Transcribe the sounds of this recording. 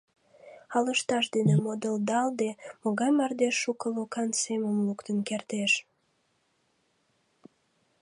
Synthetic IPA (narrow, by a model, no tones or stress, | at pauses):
ɑləʃt̪ɑʃd̪enemod̪əld̪ɑld̪emoɣɑjmɑrd̪eʃːukəlokɑnseməmlukt̪ənkert̪eʃ